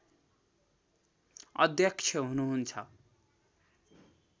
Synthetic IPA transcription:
ʌ̰d̪jʌkt͡sʰjʌɦunuɦunt͡sʰʌ̰

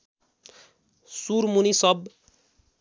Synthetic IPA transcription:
suɾmunisʌb

